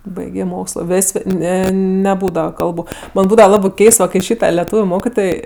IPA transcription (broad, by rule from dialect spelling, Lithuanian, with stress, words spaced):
ˈbɐɪɡʲeː ˈmoːkslˠoː ˈʋʲeːsʲ ˈnʲɛ nʲɛˈbuːdɐʋɐ ˈkɐlˠbʊ bʲɛt ˈbuːdɐʋɐ ˈlˠɑːbɜ ˈkʲɛɪst kɐɪ ˈʃʲiːtɐ lʲɛˈtuːʋʲʊ ˈmoːkʲɪtoːj